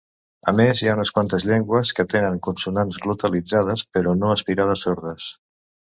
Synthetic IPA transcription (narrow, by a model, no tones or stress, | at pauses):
əmezjaunəskwant̪əzʎɛŋɡwəskət̪enəŋkunsunanzɣlut̪əlid͡zað̞əspəɾɔnoəspiɾað̞əsoɾðəs